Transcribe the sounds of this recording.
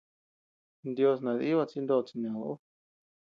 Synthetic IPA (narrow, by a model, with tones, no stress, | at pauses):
nd̪jo˧s̬nã˨˧ði˦βa˧t͡si˦˧nd̪o˦˧t͡si˧nã˨lo˧u˦